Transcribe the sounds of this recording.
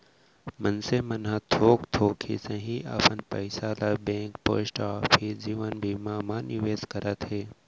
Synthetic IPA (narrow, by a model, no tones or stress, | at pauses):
mənsemɐnɦãt̪ʰoːkt̪ʰoːkʰḭsẽɦĩʔɐ̰pənpɐɪsaːlabẽːŋkpo̰ːsʈaːpʰid͡ʒiːʋənbʱiːmaːmaːniʋeːzkəɾət̪ɦeː